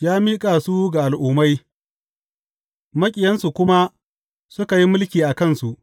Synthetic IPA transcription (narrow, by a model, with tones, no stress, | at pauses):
jaː˦miː˦kʼaː˨su˦ɡa˨ʔa˨lʔʊː˨ma˦j | mɐ˦kʲʼɪ˨jɐ˦nsu˨kʷʊ˦ma˦ | sʊ˦ka˨ji˦mʊ˦lkʲiː˨ʔa˨kɐ˦˨nsu˨ʔ